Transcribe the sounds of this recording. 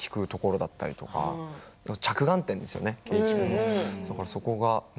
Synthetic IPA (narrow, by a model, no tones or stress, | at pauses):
kʲi̥kɯ̟t̪o̞ko̞ɾo̞d̪at̪ːa̰ɾʲit̪o̞ka̰at͡ɕakɯ̟ɡãnt̪ẽnd̪e̞sɨjo̞̰nekʲot͡ɕikonod̪akaɾaso̞koɡa